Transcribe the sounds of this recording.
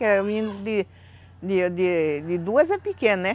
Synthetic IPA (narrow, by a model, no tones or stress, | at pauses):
kɛvĩd̪ʊd̪ɪ | d̪ɪd̪ɪd̪ɪd̪uɐzɛpɪkẽnʊnɛ